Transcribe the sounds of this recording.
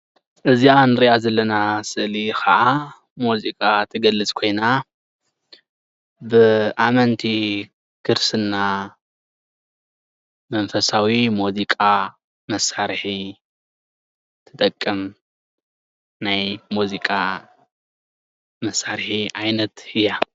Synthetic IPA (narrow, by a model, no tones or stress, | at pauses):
ʔɨzianɨɾiʔazɐlːɐnasɨʔlixɐʔa | muzikʼat̪ʰɨɡɐlːɨt͡sʼkʰo̞jna | bɨʔamɐnt̪ʰi | kʰɨɾsɨnːa | mɐnfɐsawimuzikʼa | mɐsaɾħi | t̪ʰɨ̥t̪ʼɐkʼːɨm | najmuzikʼa | mɐsːaɾħiʔajnɐt̪ɨja